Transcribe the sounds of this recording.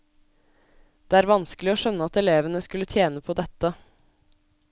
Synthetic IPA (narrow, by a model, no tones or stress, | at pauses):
d̪̥eːæːɾʋɑnsklɪoːʃœnːəɑt̪ɛleːʋənəskʉlət̪ʰjeːnəpʰoːd̪ɛt̪ːə